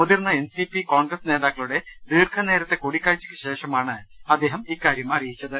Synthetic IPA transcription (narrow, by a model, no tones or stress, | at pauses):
mud̪irnɐensipikoːɳɡɾɐsneːd̪aːkːɐɭuɽed̪iːrkʰɐneːɾɐt̪ːe̞koɽikːaːɻit͡ɕːi̥kʲːeɕe̞ːʂɐmaːɳɨɐd̪ːe̞ːɦɐmiːkaːɾjɐmɐrijit͡ɕːɐðɨ